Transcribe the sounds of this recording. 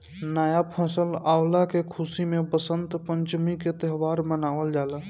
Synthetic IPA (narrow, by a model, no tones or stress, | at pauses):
naːjapʰə̃ːsəlaːwlakekʰusimebəsənt̪pə̃ɲt͡ʃmiket̪əɦʋaːɾmənaːʋəld͡ʒaːlə